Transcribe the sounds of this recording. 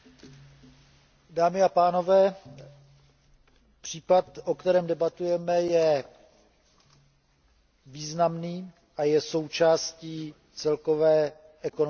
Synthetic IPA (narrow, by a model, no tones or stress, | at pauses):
daːmɪapaːno̞vɛː | pr̥iːpat̪ʔokt̪ɛɾɛːmdɛbat̪ujɛmɛjɛ | viːznamniː | ʔajɛso̞wt͡ʃaːsciː | t͡sɛlko̞vɛː | ʔɛkon